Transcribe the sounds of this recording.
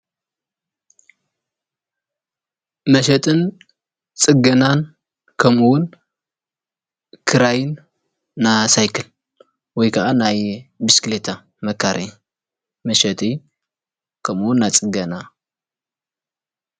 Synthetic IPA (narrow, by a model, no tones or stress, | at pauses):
mɐʃɐt̪ʼɨn | t͡sʼɨɡɐnan | kʰɐmuwʊn | kʰɨɾajɪnː | asajkʰɐl | wɔjkʰɐʔanajbisklet̪ʰa | mɐkʰːaɾʔɐɲ | mɐʃɐt̪ʼi | kʰɐmuwʊnːat͡sʼɨɡɐna